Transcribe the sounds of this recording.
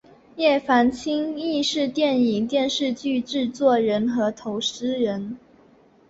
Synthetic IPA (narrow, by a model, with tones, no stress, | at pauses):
jɛ˥˩fa˧˥nt͡ɕʰi˥ŋi˥˧ʂɻ̩˥˧t̪jɛ˥˩ni˨˩ŋt̪jɛ˥˧nʂɻ̩˥˧t͡ɕy˥˧ʈ͡ʂɻ̩˥˧t͡swɔ˥˩ɻə˧˥nxɤ˧˥t̪ʰo˧˥ʊʂ̩˥ɻə˧˥n